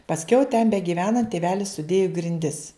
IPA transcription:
pɐsʲˈkʲɛʊ tʲɛn bʲɛɡʲiːˈʋʲæːnɐnt tʲeːˈʋʲæːlʲɪs sʊˈdʲeːjʊ ɡrʲɪnʲˈdʲɪs

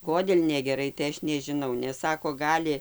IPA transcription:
ˈkoːdʲeːlʲ nʲɛɡʲɛˈrɐɪ tɐɪ ˈɐʃ nʲɛʒʲɪˈnɐʊ nʲɛs ˈsɑːkoː ˈɡɑːlʲɪ

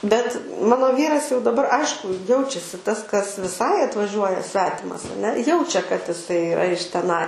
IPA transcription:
bʲɛt ˈmɑːnoː ˈʋʲiːrɐs jɛʊ dɐˈbɐr ˈɐɪʃkʊ ˈjɛʊt͡ʃʲɛsʲɪ tɐs kɐs ʋʲɪˈsɐɪ ɐtʋɐˈʒʲuɔjɛ ˈsʲʋʲæːtʲɪmɐs ɐˈnʲɛ ˈjɛʊt͡ʃʲɛ kɐt ɪˈsɐɪ ɪˈrɐ ɪʃ tʲɛˈnɐɪ

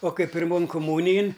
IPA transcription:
oː ˈkɐɪ pʲɪrˈmoːn kʊˈmuːnʲɪjɪn

